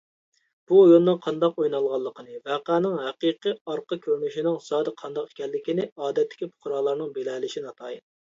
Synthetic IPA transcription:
b̥uojonːɨŋqʰɑnd̪ɑqojnɑlˠʁɑlˠːəqʰənɨvæqæːnɪŋɦɛqiqiɑɾqɑkʲʰøɾnyʃinɪŋsɑːd̪ɨqʰɑnd̪ɑqe̥kʲʰɛlːɪkʲinɪɑːd̪ɛt̪ːɪ̥kʲipʰʊ̥χʊɾɑːlˠɑɾnɨŋbelɛːlɪʃinɑt̪ʰɑːjn

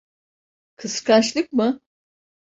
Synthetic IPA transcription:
kʰɯskʰaʃlˠɯkmɯ

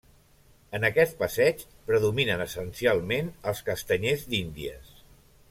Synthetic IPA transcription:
ənəkɛt̪̚pəsɛt͡ʃpɾəðuminənəsənsialˠmenəlˠskəst̪əɲezd̪ind̪iə̰s

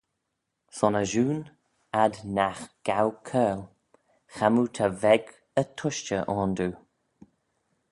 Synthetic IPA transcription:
sɔnəʒuːn | ad̪naxɡ̥awkʰɛːl | xamut̪ʰavɛɡ | ət̪ʰʊʃt͡ʃəʔɔːnd̪uː

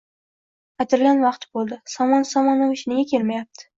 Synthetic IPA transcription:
at̪ʰɪɾlʲanvɑqt̪bolˠd̪ɪsɒmɒnsɒmɒnaʊʃɪnɪɡʲakʲʰe̞lmajap̚t̪ʰɪ̥

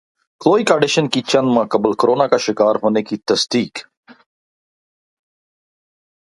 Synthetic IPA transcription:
kloːikaɖɪʃənkit͡ɕɐnd̪mãkɐbəlkɾoːnakaʃɪkaːɾɦoːnekit̪ɐsd̪iːk

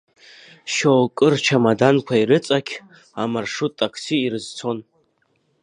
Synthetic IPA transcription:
ʃowkʼɨrt͡ʃʰamadankʷʰaiɾɨt͡sʼakʲʰ | amarʂutʼːakʰsiːɾɨzt͡sʰo̞n

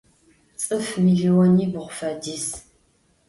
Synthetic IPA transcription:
t͡sʼɨfmiɮiwɔniːbɨχʷʊfɐdiːs

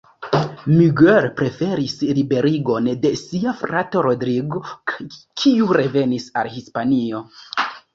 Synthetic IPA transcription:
myɡeɾpɾe̞fe̞ɾislibe̞ɾiɡo̞nde̞siafɾatoɾodɾiɡokʰiuɾe̞ve̞nisa̰lhispanio̞

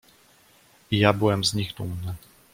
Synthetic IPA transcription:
ijabɘwɛmzɲixt̪umnɘ

